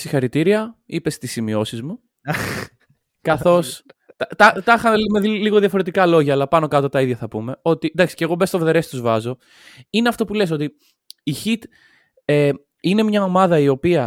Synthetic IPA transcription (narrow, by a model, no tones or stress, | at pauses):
sixɐɾit̪iɾiɐipe̞st̪isːimio̞sizmu | kɐθo̞st̪ɐt̪ɐt̪ɐxɐnlimeðiliɣo̞ðjɐfo̞ɾe̞t̪ikɐlo̞ʝɐːlɐpɐno̞kɐt̪o̞t̪ɐiðʝɐθɐpume̞o̞t̪ind̪ɐksi̥ceɣo̞be̞st̪ovðe̞ɾe̞st̪uzvɐzo̞ | ineɐft̪o̞pules̬o̞t̪i | içit̪ | e | ine̞mɲɐo̞mɐðɐio̞piɐ